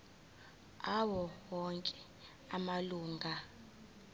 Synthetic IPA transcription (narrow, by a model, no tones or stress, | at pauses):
awɔwɔŋkʼɛ | amaluːŋɡʱa